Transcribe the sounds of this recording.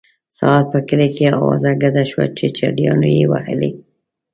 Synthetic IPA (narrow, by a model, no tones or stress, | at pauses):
sal̚pəkəlekeawɑzaɡad̪aʃwa̰t͡ʃet͡ʃaɖjɑnojewa̰həle